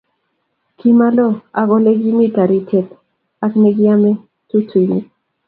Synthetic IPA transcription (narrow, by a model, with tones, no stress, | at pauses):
ki˦ma˦lɔ˦a˨ɡo˦le˦ɡi˦mi˦ta˨ɾi˨tʰe˨t | akne˦ɡi˦a˦me˦ | tu˦ti˨ni˨